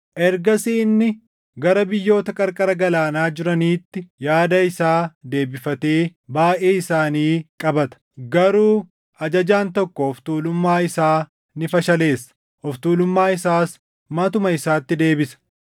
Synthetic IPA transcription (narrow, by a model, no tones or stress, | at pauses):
ʔɛɾɡɐsiːnːɪ | ɡɐɾɐbɪjːo̞ːt̪ɐkʼɐɾkʼɐɾɐɡɐlaːnaːd͡ʒɪɾɐniːt̪ːɪjaːd̪ɐɪsaːd̪e̞ːbɪfɐt̪eːbaːʔeːɪsaːniːkʼɐbɐt̪ɐ̥ɡɐɾuː | ɐd͡ʒɐd͡ʒaːnt̪ɔkːɔɔft̪uːlʊmːaːɪsaː | nɪfɐʃɐle̞ːsːɐ̥ | ɔft̪uːlʊmːaːɪsaːs | mɐt̪ʊmɐɪsaːt̪ːɪd̪e̞ːbɪsɐ̥